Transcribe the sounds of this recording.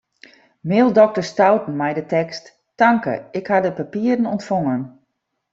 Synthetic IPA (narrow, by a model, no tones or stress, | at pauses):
mɪːlˠdɔk̚tərstawtn̩mɛjdətɛkstː | aŋkə̰ɪkhadəpapiəɾənɔntfɔŋən